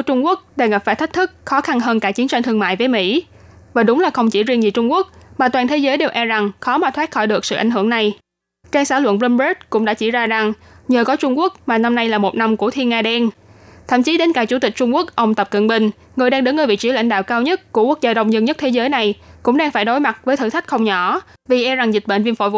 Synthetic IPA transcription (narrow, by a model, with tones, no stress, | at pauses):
t͡ɕʊ˧ŋ͡mku˦˥ək̚ɗa˨˧˩ŋ˨˩p̚faː˧˩jt̪ʰk̚t̪ʰɨ˦˥k̚xɔ˨˦xa˧nɦəː˧nkaː˧˩t͡ɕi˨˦ənt͡ɕa˧nt̪ʰɨ˧əŋma̰ː˧˨jvəː˨˦jmḭ˧˥ | vaː˨˩ɗʊ˨˦ŋ͡mlaː˨˩xə˧wŋ͡mt͡ɕi˧˩zi˧ənzi˨˩t͡ɕʊ˧ŋ͡mku˦˥ək̚maː˨˩t̪waː˨˩nt̪ʰe˨˦zəː˨˦jɗe˨˩wʔɛ˧za˨˩ŋxɔ˨˦maː˨˩t̪ʰwaː˦˥t̚xɔ˧˩jɗɨ˨˩ək̚sɨ̰˧˨ʔa˧˩jŋ̟ɦɨ˧˩əŋna˨˩j | t͡ɕaː˧ŋsaː˧˥lwə̰˧˨nlə˧ne˦˥t̚kʊ̰˧˥ŋ͡mɗa̰ː˧˥t͡ɕi˧˩zaː˧za˨˩ŋ | ɲəː˨˩kɔ˨˦t͡ɕʊ˧ŋ͡mku˦˥ək̚maː˨˩na˧mna˧jlaː˨˩mo˨˩t̚na˧mku˧˩ət̪ʰi˧ənaː˧ɗɛ˧nt̪ʰə̰˧˩˨mt͡ɕi˨˦ɗe˨˦nkaː˧˩jt͡ɕu˧˩t̪ï˨˩k̟̚t͡ɕʊ˧ŋ͡mku˦˥ək̚ʔə˧wŋ͡mt̪ə˨˩p̚kə̰˧˨nɓï˧˩ŋ̟ | ŋɨ˨˩əjɗaː˧ŋɗə˨˦nŋə˧˩vḭ˧˨t͡ɕi˨˧˦la̰˧˩ŋ̟ɗa̰ː˧˨wkaː˧wɲə˦˥t̚ku˧˩ku˦˥ək̚zaː˧ɗə˧wŋ͡mzə˧nɲə˦˥t̪ʰe˨˦zəː˨˦jna˨˩jkʊ̰˧˥ŋ͡mɗaː˧ŋfaː˧˩jɗo˨˦jma˨˩t̚vəː˨˦t̪ʰɨ̰˧˩t̪ʰa˦˥k̚xə˧wŋ͡mɲɔ˧˩ | vi˨˩ʔɛ˧za˨˩ŋzï˨˩t̟̚ɓḛ˧˨nvi˧nfo̰˧˩j